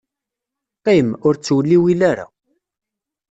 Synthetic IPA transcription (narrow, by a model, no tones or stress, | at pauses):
qimʊɾt͡sːwəlːiwilaɾa̰